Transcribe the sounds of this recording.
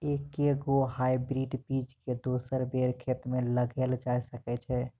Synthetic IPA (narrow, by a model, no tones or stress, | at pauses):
ekeɡoɦajbɾiɖpid͡ʒked̪osəɾbeɾkʰet̪meləɡɛld͡ʒajsəkɛt͡ʃʰɛ